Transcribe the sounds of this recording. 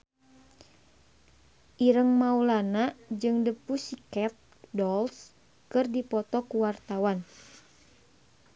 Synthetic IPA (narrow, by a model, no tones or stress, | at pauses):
ʔiɾəŋmaulanad͡ʒɨŋdəpusikɛt̪̚ | dɔls | kɨrdipɔt̪ɔkuwart̪awan